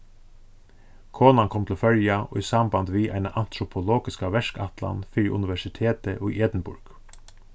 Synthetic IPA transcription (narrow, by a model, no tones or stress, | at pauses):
kʰoːnankʰɔmt̪ʰlfœljaɔ̰isamband̪ʋiːʔa̰ɪnaʔan̥t̪ɾʊpʰɔlɔːɡɪskaʋɛʂka̰t̪la̰nfɪɾɪʔʊ̰nɪʋɛʂɪt̪ʰeːt̪əʔɔɛːt̪nbʊɹk